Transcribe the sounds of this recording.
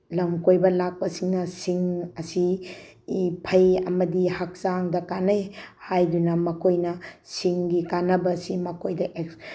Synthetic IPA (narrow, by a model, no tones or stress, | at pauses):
lɐmkojbɐlak̚pɐsiŋnɐsiŋɐsi | pʰɐjɐ̰mɐdihɐk̚saŋdɐkanɐjhajdunɐmɐkʰojnɐsiŋɡikanɐbɐsimɐkʰojdɐʔek